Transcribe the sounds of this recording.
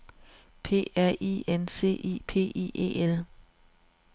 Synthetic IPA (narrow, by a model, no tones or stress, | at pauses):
pʰe̝̰ːæɐ̰ʔḭːense̝̰ːʔḭːpʰe̝̰ːḭʔe̝̰ːel